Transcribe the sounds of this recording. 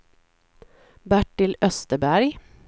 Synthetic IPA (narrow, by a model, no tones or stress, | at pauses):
bæʈɪlœst̪əbæɾɡ